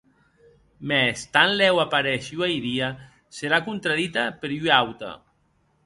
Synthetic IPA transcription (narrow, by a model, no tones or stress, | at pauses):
mɛst̪anlɛwapaɾɛʃwajðia | seɾakunt̪ɾaðit̪apeɾyawt̪a̰